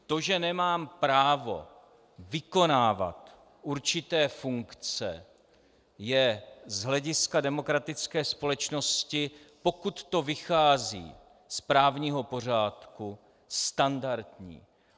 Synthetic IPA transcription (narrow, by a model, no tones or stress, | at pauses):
t̪o̞ʒɛnɛmaːmpɾaːvo̞̰ | vɪko̞naːva̰t̪ | ʔuɾt͡ʃɪt̪ɛːfuŋkt͡sɛ̰ | jɛzɦlɛɟɪskadɛmo̞kɾat̪ɪt͡skɛːspo̞lɛt͡ʃno̞scɪ | po̞kut̪ːo̞vɪxaːzḭː | spɾaːvɲiːɦo̞po̞r̝aːt̪ku | st̪andaɾt̪ɲḭː